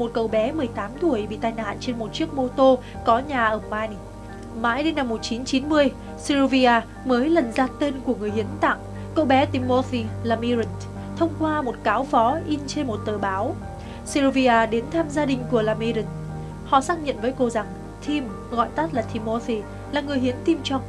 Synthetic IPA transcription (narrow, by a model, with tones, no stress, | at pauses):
mo˨˩t̚kə˨˩wɓɛ˨˦mɨ˨˩əjt̪aː˨˦mt̪u˧˩əjɓḭ˧˨t̪aː˧jna̰ː˧˨nt͡ɕe˧nmo˨˩t̚t͡ɕi˦˥ək̚mo˧t̪o˧ | kɔ˨˦ɲaː˨˩ʔəː˧˩maː˧jn | ma̰ː˧˥jɗi˧na˧mːo˨˩t̚t͡ɕi˨˦nt͡ɕi˨˦nmɨ˧əj | si˧ɾo˧vi˧ʔaː˧ | məː˨˦jlə˨˩nzaː˧t̪e˧nku˧˩əŋɨ˨˩əjhi˨˦ənt̪a̰˧˨ŋ | kə̰˧˨wɓɛ˨˦t̪i˧mːo˧θi˧laː˧˩mi˧ɾə˨˩n | t̪ʰə˧wŋ͡mkwaː˧mo˨˩t̚kaː˨˦wfɔ˨˦ʔi˧nt͡ɕe˧nmo˨˩t̚t̪əː˨˩ɓaː˨˦w | si˧ɾo˧vi˧ʔaː˧ɗe˨˦nt̪ʰaː˧mzaː˧ɗï˨˩ŋ̟ku˧˩əlaː˧mi˧ɾə˨˩n | hɔ̰˧˨saː˦˥k̚ɲə̰˧˨nvəː˨˦jko˧za˨˩ŋ | t̪ʰi˧m | ɣɔ̰˧˨jt̪a˦˥t̚laː˨˩t̪ʰi˧mːɔ˧θi˧ | laː˨˩ŋɨ˨˩əjhi˨˦ənt̪i˧mt͡ɕɔ˧wŋ͡m